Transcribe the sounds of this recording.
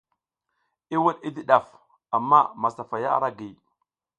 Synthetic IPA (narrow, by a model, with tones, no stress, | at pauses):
i˦wa˦ɗi˦di˦ɗa˨f | a˨mːa˦ma˨sa˨fa˨ja̰˦ɾa˦ɡi˨